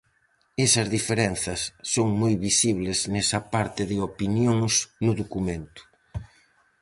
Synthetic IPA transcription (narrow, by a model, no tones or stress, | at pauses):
esɐzðifeɾɛn̟θɐsːoŋmojβisiβlɪznɛsɐpaɾt̪ɪðɪopinjoŋsnʊðokumẽnt̪ʊ̥